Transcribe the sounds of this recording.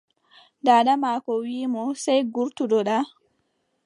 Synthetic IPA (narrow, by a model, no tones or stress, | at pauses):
daːɗamaːkɔwiːmɔsajɡuɾtuɗɔɗa